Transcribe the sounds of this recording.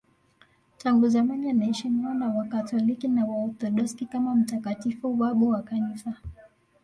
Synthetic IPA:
taŋɡuzamanianaɛʃiniɔnawakatɔlikinawaɔt̪ɔɗɔskikamam̩takatifuɓaɓuwakanisa

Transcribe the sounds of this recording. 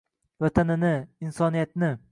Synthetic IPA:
vat̪ʰanɪnɪɪnsɒnijat̪nɪ

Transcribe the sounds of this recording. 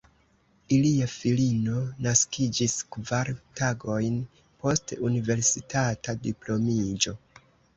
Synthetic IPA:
iliafilino̞naskid͡ʒiskvaɾtaɡo̞jn | po̞stunive̞ɾsitatadiplo̞mid͡ʒo̞

